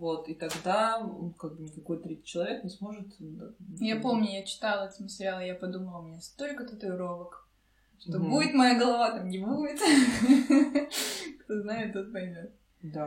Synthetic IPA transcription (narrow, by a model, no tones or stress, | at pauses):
vot̪it̪ɐɡd̪aonkaɡ̚bɨnʲɪkɐko̞jt̪ɾʲit̪ʲt͡ɕːɪlˠɐvʲe̞knʲɪsmo̞ʐɨt̪d̪ajapo̞mnʲʊjat͡ɕɪ̥t̪alˠəɐt̪sməsʲɾʲɪalˠəjapɐd̪uməlˠəʊmʲɪnʲasʲt̪o̞lʲkət̪ot̪əʊɾovək | ʂt̪obuvʲɪt̪mɐjaɡəlˠɐvat̪amnʲɪbuvʲɪt̪ | kt̪oznajɪt̪t̪ot̪pɐmʲet̪ | d̪a